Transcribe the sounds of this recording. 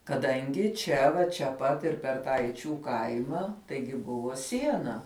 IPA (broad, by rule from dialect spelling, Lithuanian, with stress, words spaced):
kɐˈdɐŋʲɡʲɪ ˈt͡ʃʲɛ ʋɐ t͡ʃʲɛ ˈpɐt ɪr pʲɛr ˈtɑː ɛɪˈt͡ʃʲuː ˈkɐɪmɐ ˈtɐɪɡʲɪ ˈbʊʋoː ˈsʲiɛnɐ